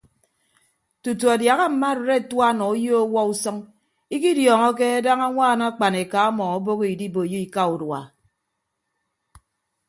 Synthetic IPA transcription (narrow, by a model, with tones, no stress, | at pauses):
tu˨tu˨a˨dja˨ɣa˦m̩˨ma˦˨ɾe˨ɾe˦˨twa˦nɔ˨u˦jo˦o˦wɔ˦u˦sɔ˦ŋ | i˦k̬i˦djɔː˨ŋɔ˦ke˦a˦da˦ŋa˦ŋʷaː˦˨na˦k͡pa˨ne˨ka˨˦a˦mɔ˨ŋɔ˦bo˦ɣo˦i˨di˦bo˨ji˦i˨ka˦u˨dwa̰˨